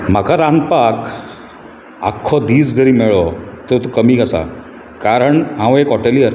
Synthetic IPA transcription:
m̤akʰaɾand̪pak | a̰kʰːɔd̪iːd͡zd͡zəɾiːmeɭɔt̪ət̪okəmiːkəsa̰ | kaɾəɳɦãʋekɦɔʈelijəɾ

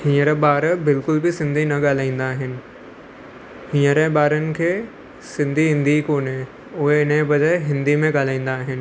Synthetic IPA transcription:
hĩːəɾəɓaːɾbɪlkʊlbɪsɪ̃nd̪ʱinɐɠaːl̤aːĩːn̆d̪aːɦɪnɪ̆ | hĩːəɾeɓaːɾənɪ̆kʰeː | sɪ̃nd̪ʱiɦɪ̃nd̪ʱikoːnɦe | ʊɦeɪnẽbɐd͡ʑəːɪɦɪ̃nd̪imẽɠaːl̤aːĩːnd̪aːɦɪnɪ̆

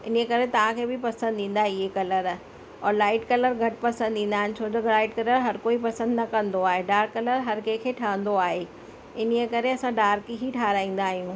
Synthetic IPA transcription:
ɪnəekɐɾet̪ɐʋ̤ãkʰeːbɪpɐsə̃nd̪ĩːn̆d̪aːɦeɪɦekɐləɾ | ɔːɾlaːɪʈkɐləɾɡʱɐʈpɐsə̃nd̪ĩːn̆d̪aːɦɪ̃nɪ̆t͡ɕʰoːt̪ɐɡlaːɪʈkɐləɾɦɐɾkoːipɐsə̃nd̪nɐkɐ̃nd̪oaːɦeɖaːɾkɐləɾɦɐɾkekʰeːʈʰɐʋə̃nd̪oaːɦe | ɪniəkɐɾeɐsãɖaːɾkiɦiʈʰaːɾaːĩːn̆d̪aːɦijũː

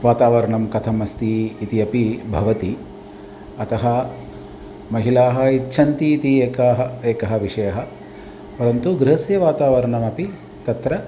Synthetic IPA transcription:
ʋaːt̪aːʋɐɾɐɳɐmkɐt̪ʰɐmɐst̪iːt̪iɐpibʱɐʋɐt̪i | ɐt̪ɐɦɐ | mɐɦilaːɦɐitːʃʰɐnt̪iːt̪ieːkaːɦɐeːkɐɦɐ̆ʋiʂɐjɐɦɐ | pɐɾɐnt̪uɡɾɪɦɐsjɐʋaːt̪aːʋɐɾɐɳɐmɐpi | t̪ɐt̪ɾɐ

